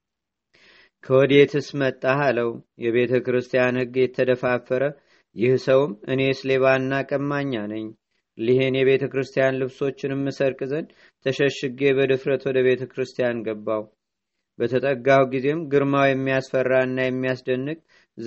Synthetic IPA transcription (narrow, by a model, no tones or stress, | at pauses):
kʰəwɔd̪e̞t̪ʰɨsmət̪ʼːaɦaləwjɛβe̞t̪ʰəkɾɨst̪ʰijanhɨɡjɛt̪ʰːəd̪əfafːəɾə | jɪhsəwɨmʔɨne̞sle̞βaɨnːakʼəmːaɲːanəɲː | lihenjɛβe̞t̪ʰəkɾɨst̪ʰijanlɨβso̞t͡ʃːɪnɨmːɨsəɾkʼɨzən | t̪ʰəʃəʃɨɡe̞bəd̪ɨfɾət̪wɔd̪əβe̞t̪ʰəkɾɨst̪ʰijanɡəbːaw | bət̪ʰət̪ʼəɡːawɡize̞mɡɨɾmawjɛmːijasfərːaɨnːajɛmːijasd̪ənːɨkʼ